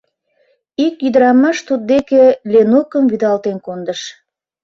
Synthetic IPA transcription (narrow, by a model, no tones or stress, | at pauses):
ikjyd̪əɾɑmɑʃt̪ud̪̚d̪ekelenokəmvyd̪ɑlt̪enkond̪əʃ